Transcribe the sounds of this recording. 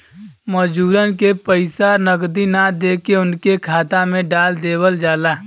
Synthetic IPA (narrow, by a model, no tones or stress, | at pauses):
məd͡ʒuːɾənkepəɪsanəɡd̪inad̪eːkeʊnkekʰaːt̪amẽɖaːld̪eːwəld͡ʒaːlaː